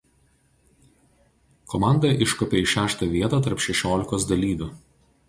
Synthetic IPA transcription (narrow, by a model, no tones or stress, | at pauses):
kɔmɑˑnd̪ɐʔɪʃkɔpʲeɪʃʲæːʃt̪ɐʋʲiɛt̪ɐːt̪ɐɾpʃʲɛʃʲoːlʲɪkoːsd̪ɐlʲiːʋʲʊ